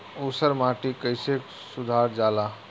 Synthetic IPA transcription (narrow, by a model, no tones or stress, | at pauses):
osəɾmãʈikəjsek | sud̪ʱaɾd͡ʒala